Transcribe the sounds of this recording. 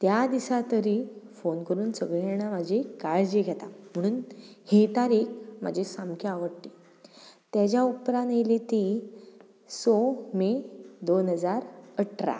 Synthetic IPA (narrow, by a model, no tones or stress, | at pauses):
t̪jad̪isat̪əɾifonkəɾuːnsəɡɭeɽ̃amad͡ʑʱekaɭd͡ʑeɡʱɛt̪am̤əɽ̃uːnhit̪aɾiːkma̰d͡ʑʱisamkʰaaʋəɽʈ̪iː | t̪jad͡ʑjaupɾãnelit̪i | somed̪onɦəd͡zaɾəʈʰɾa̰